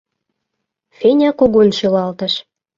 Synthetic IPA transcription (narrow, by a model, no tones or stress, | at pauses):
fenʲɑkuɣunʃylɑlt̪ə̆ʃ